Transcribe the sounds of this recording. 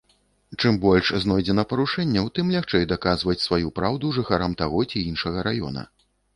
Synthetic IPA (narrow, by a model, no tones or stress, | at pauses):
t͡ʂɨmbɔlʲʂznɔjd͡zʲɛnɐpɐɾuʂɛnʲːɛwt̪ɨmlʲaxt͡ʂɛjd̪akazvɐt͡sʲsvajupɾawd̪uʐɨxaɾamt̪aɣɔt͡sʲiinʂɐɣɐɾajɔ̰nɐ̰